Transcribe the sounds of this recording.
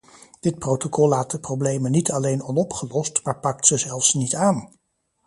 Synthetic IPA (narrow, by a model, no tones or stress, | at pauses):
d̥ɪt̚prowtokɔlˠːaːt̚dəprowblejmənitɑlejnɔnɔpχəlɔstmaːɹpɑk̚tsəzɛlˠfsnitaːn